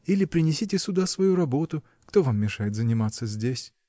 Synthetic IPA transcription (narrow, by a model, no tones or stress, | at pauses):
ilʲɪpɾʲɪnʲɪsʲitʲɪsʲʊd̪asvɐjuɾɐbo̞t̪ʊ | kt̪o̞vamːʲɪʂajɪt̪zənʲɪmat̪səzʲdʲesʲ